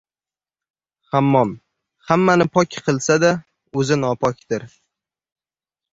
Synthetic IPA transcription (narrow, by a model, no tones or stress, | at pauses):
hamːɒm | hamːanɪpʰɒkʲqʰɨlˠsad̪a | ɵzɪnɒpʰɒkʲd̪ɪɾ